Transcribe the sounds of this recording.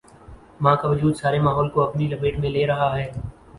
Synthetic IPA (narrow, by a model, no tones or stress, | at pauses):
mãːkaʋɐd͡ʒuːd̪saːɾemaːɦɔːlkoɐpnilɐbeːʈmẽleːɾɐɦaɦɛː